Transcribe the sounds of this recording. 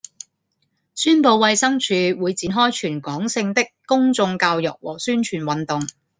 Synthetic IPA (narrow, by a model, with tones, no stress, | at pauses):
syː˥npo˨˧wwɐ˧jsɐ˥ŋt͡ʃʰyː˨˧wuː˨˧jt͡siː˨˧nɦɔː˥jt͡ʃʰyː˨˩nkɔː˨˥ŋsɪ˧ŋt̪ɪ˥kːʊ˥ŋt͡sʊ˧ŋkaː˧wjʊ̰˨k̚wɔ̰ː˨˩syː˥nt͡ʃʰyː˨˩nwɐ˨nt̪ʊ˨ŋ